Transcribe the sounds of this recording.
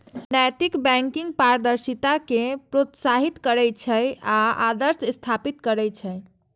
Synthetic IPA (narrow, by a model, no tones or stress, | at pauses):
najt̪ikbɛ̃ŋkiŋɡ̚paɾd̪əɾsit̪akepɾot̪saɦit̪kəɾɛt͡ʃʰəjaa̰d̪əɾsst̪ʰapit̪kəɾɛt͡ʃʰəj